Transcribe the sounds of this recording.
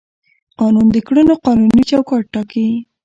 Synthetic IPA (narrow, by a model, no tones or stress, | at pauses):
qɑnund̪əkɽunoqɑnunit͡ʃawkɑʈ̚ːɑkai